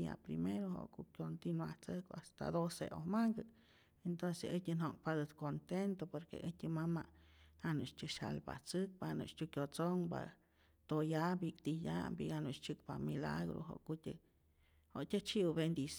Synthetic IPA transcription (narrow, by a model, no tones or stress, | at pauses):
a̰pɾimeɾoɦo̰kukʲjont̪inwaht͡sɨkast̪a̰d̪osḛʔohmaŋɡɨ | ent̪onseɨtʲɨnoŋpad̪ɨt̪kont̪ent̪opoɾkḛʔɨtʲɨmamaʔhanuʔt͡ʃtʲɨʃa̰lba̰t͡sɨk̚panṵt͡ʃtʲukjʲot͡soŋba̰ | t̪ojabikt̪ijambiɡanut͡ʃt͡ʃɨk̚pamila̰ɣɾo̰ɦo̰kutʲɨ | hoʔtʲɨt͡ʃiwbend̪is